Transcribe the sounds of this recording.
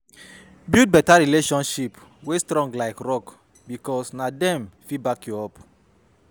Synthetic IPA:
bid̚bɛtaɹileʃɔ̃nʃipwestɾɔ̃ŋɡlaɪkɹɔk | bikɔsnadɛ̃mfibakjuɔp

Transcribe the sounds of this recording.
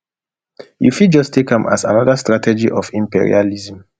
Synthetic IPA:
jṵfid̚d͡ʒɔstʰekãmʔa̰sa̰nɔðastɹatʰɛd͡ʒiʔɔfĩmpḭɹḭaliz̃m

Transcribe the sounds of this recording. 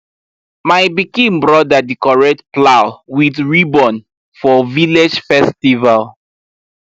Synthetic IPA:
majbikĩnbɹɔdadikɔɹɛtplawwiθɹibɔ̃n | fɔviled͡ʒfɛstival

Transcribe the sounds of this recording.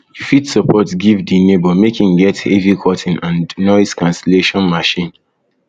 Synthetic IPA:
ufidsɔpʰɔtɡivdinebɔmekĩŋɡɛthevikʰɔtʰĩnãnnɔiskãnsɛleʃɔ̃nmaʃĩn

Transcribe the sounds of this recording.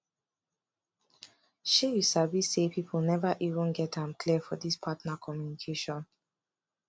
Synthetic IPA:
ʃijisabisepʰipʰl̩ˠnɛvaʔivə̃nɡɛtãmkʰlifɔdispʰatnakʰɔmjunikʰeʃɔ̃n

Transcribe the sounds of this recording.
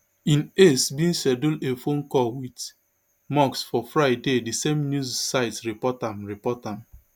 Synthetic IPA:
ĩnesbĩnsɛdulefonkɔwit | mɔksfɔfɹaɪdedisemnjuzsaɪtɹipɔtãmɹipɔtãm

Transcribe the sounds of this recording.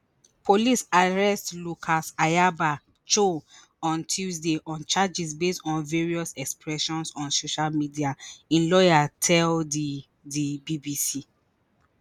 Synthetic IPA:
pʰolisaɹɛstlukʰasajaba | t͡ʃo | ɔ̃ntʰuzdeʔɔ̃nt͡ʃad͡ʒisbestɔ̃nveɹiɔsɛkspɹɛʃɔ̃nsɔ̃nsoʃalmidiaĩnlɔjatʰɛldi | dibibisi

